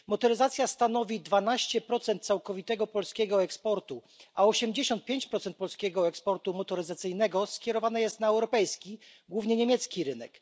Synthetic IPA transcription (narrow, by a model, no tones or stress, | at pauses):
mɔt̪ɔɾɘzat̪sʲjast̪an̪ɔvʲid̪vanaɕt͡ɕɛpɾɔt̪sɛnt̪t̪sawkɔvʲit̪ɛɡɔpɔlskʲɛɡɔɛkspɔɾt̪u | ʔaɔɕɛmd͡ʑeɕɔnt̪̚pʲjeɲt͡ɕpɾɔt̪sɛnt̪̚pɔlskʲɛɡɔɛkspɔɾt̪umɔt̪ɔɾɘzat̪sɘjnɛɡɔskʲɛɾɔvanɛjɛst̪naɛwɾɔpɛjskʲi | ɡwuvɲɛɲemʲjɛt̪skʲiɾɘnɛk